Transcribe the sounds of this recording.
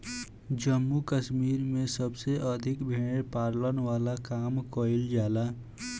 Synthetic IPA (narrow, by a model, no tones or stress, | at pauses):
d͡ʒəmːukəʃmiːɾmẽsəbseʔəd̪ʱɪkbʱeːɽ̃epaːɾlənʋaːlakaːmkoild͡ʒaːla